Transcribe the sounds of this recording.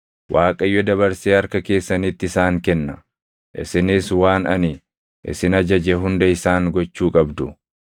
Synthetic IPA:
wʔaːkʼɐjːɔd̪ɐβɐɾseːɐɾkɐke̞ːsːɐnit̪ːɪɪsaːŋkɛnːɐ | ʔɪ̰sɪnɪswaːnɐni | ʔɪ̰sɪnɐd͡ʒɐd͡ʒɛɦʊnd̪ɐɪsaːŋɡɔt͡ʃːuːkʼɐbd̪ʊ

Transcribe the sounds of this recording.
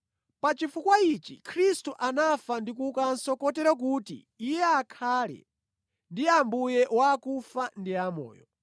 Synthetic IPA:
pat͡ʃifukwait͡ʃḭkʰɾistuʔanafandikukansɔkɔtɛɾak̬utḭːjɛakʰaːlɛ̰ | ndiambujɛʔwakufandiamɔ̰ːjɔ̰

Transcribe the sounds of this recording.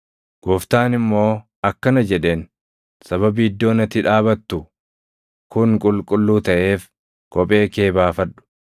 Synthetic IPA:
ɡ̥ɔft̪aːnɪmːo̞ː | ɐkːɐnɐd͡ʒɛᶑe̞ːn | sɐβɐbiɪd̪ːo̞ːnɐt̪ːɪᶑaːβɐt̪ːʊ | kʊŋkʼʊlkʼʊlːuːt̪ɐʔe̞ːf | kʼɔpʼe̞ːke̞ːbaːfɐᶑʊ̥

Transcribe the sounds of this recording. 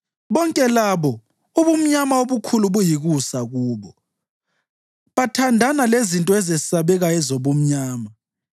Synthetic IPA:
βɔŋkʼɛlaβɔ | uβum̩ɲamaoβukʰuluβujiɣusaɣuːβɔ | βatʰandʱanalezintʼɔɛzɛsaβɛɣaɛzoβum̩ɲaːma

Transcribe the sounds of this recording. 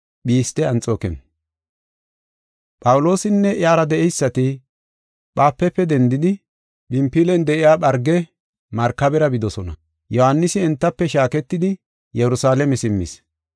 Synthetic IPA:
ɓiːst̪ɛɐnt͡sʼoːkɛ̰n | pʼɐwʊlo̞ːsɪnːɛʔjaːɾɐd̪ɛʔɛjsːɐt̪ɪ | ɓaːpːɛpːɛd̪ɛnd̪ɪd̪ɪ | ɓɪmpːilɛnd̪ɛʔɪjaːɓɐɾɡɛ | mɐɾkːɐbɛɾɐbɪd̪ɔsɔnɐ̰ | jɔhanːɪsɪɛnt̪ːɐpːɛʃaːkɛt̪ːɪd̪ɪ | jɛɾʊsaːlɛmɛsɪmːɪ̰s

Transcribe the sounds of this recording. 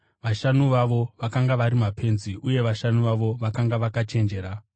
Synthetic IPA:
ʋaʃanuʋaʋo̞ʋakaŋɡaʋaɾimapʰe̞nziʔuje̞ʋaʃanuʋaʋo̞ʋakaŋɡaʋakat͡ʃe̞nd͡ʒe̞ɾa

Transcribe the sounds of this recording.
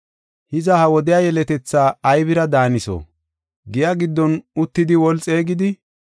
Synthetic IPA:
hɪzɐhɐwɔd̪ɪjaːjɛlɛt̪ɛt͡sːaːjbɪɾɐd̪aːnɪso̰ː | ɡɪjaɡɪd̪ːɔnʊt̪ːɪd̪ɪwɔlt͡sʼe̞ːɡɪd̪ɪ

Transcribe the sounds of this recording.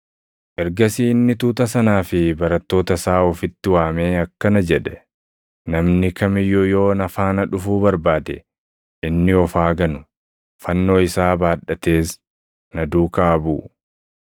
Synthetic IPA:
ʔɛɾɡɐsiːɪnːɪt̪uːt̪ɐsɐnaːfɪbɐɾɐt̪ːo̞ːt̪ɐsaːɔfɪt̪ːɪwaːmeːɐkːɐnɐd͡ʒɛᶑɛ̥ | nɐmnɪkʰɐmɪjɔjo̞ːnɐfaːnɐᶑʊfuːbɐɾbaːd̪ɛ | ʔɪnːɪɔfaːɡɐnʊ | fɐnːo̞ːɪsaːbaːᶑɐt̪e̞ːs | nɐd̪uːkɐɐbṵː

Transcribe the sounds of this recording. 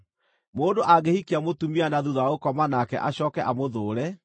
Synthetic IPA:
moːndoʔaɡehikeamotumianaðuðaokɔmanakɛ̰ʔaɕɔːkɛʔamoðoːɾɛ

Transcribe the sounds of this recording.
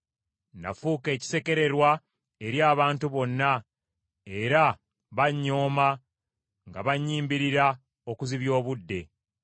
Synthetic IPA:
na̰fuːke̞ːci̥se̞ke̞ɾe̞ɾwa | e̞ɾjaːβaːntuβo̞nːa | e̞ɾa | βaɲːo̞ːma | ŋɡaβaɲːiːmbiɾiɾa | o̞kuziβjo̞ːβudːe̞

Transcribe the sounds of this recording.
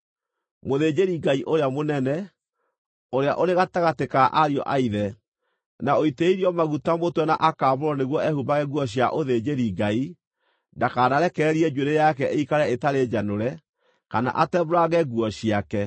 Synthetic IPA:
moðed͡ʑeɾiɡaiʔoɾeamonɛnɛ | oɾea̰ʔoɾeɣataɣatekaʔaɾiɔ̰ʔaiðɛ | naoiteiɾiɔmaɣutamotwɛnaʔakaːβoɾɔneɣwɔɛhubaɣɛɣuɔɕ̬jaʔoðed͡ʑeɾiɡai | ndakaɾaɾɛkɛɾiɛd͡ʒueɾejakɛʔeikaɾɛetaɾed͡ʒanoɾɛ | kana̰ʔatɛβoɾaɣɛɡuɔɕiakɛ

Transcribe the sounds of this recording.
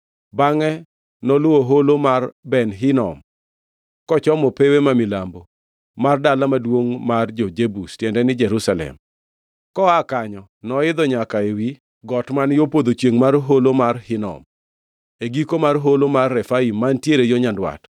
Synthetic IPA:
baŋɛ | nɔlʊwoɦolomarbɛnɦɪnɔ̰m | kɔt͡ʃɔmɔpewemamilambo | mardalamadwoŋmard͡ʒod͡ʒebustjɛndɛnɪd͡ʒɛɾusalɛ̰m | kɔakaɲɔ | nɔɪd̪ɔɲakaewi | ɡɔtmanjopod̪ot͡ʃjeŋmarɦolomarhɪnɔ̰m | eɡikomarɦolomarːɛfaimːantjeɾejoɲandwa̰t

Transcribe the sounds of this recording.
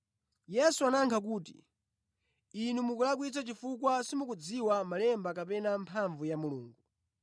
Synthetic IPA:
jɛsuanaŋkʰak̬uːtḭ | inumukulak̬wit͡sat͡ʃifukwasimukud͡ziwamalɛmbakapɛnampʰaɱvujamuluːŋɡu

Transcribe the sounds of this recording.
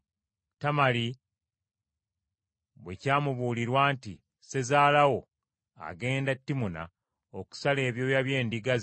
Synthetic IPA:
tamali | βwe̞caːmuβuːliɾwaːnti | se̞zaːlawo̞ | a̰ɡe̞ːndatːimuna̰ | oku̥sale̞ːβjo̞ːjaβje̞ːndiɡaz

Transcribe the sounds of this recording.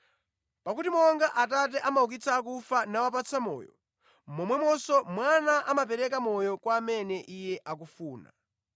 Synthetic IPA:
pakutimɔŋɡaʔatat̬ɛʔamauk̬it͡sʰaːkufanawap̬at͡sʰamɔ̰ːjɔ̰ | mɔmwɛmɔsɔmwanaʔamapɛɾɛkamɔjɔkwaːmɛnɛʔijɛʔak̬ufuːna̰

